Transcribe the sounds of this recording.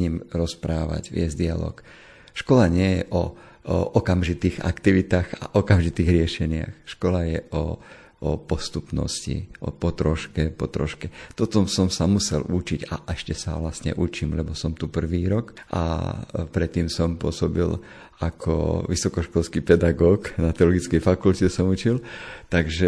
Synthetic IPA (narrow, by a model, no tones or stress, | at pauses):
ɲimɾɔspɾaːʋa̰ɟʋɪɛzd̪ialɔ̰ːk | ʃkɔlaɲɪɛjɛ̰ʔɔ | ɔkamʒit̪iːɣa̰kt̪iʋit̪aːɣa̰ʔɔkamʒit̪iːɣɾɪɛʃɛɲɪa̰xʃkɔlajɛɔ | ɔpɔst̪upnɔ̰scḭʔɔ̰pɔt̪ɾɔʃkɛpɔt̪ɾɔ̰ʃkɛt̪ɔt̪ɔsɔmsamusɛlut͡ʃiɟa̰ʔɛʃcɛsa̰ʋlasɲɛ̰ʔut͡ʃiːmlɛbɔsɔmt̪upr̩ʋiːɾɔkʔa̰pɾɛt̪ːiːmsɔmpʊɔsɔbḭl | akʰɔ̰ʋisɔkɔʃkɔlskipɛd̪aɡɔːknat̪ɛɔlɔɡit͡skɛjfakulcɛsɔmut͡ʃilt̪aɡʒɛ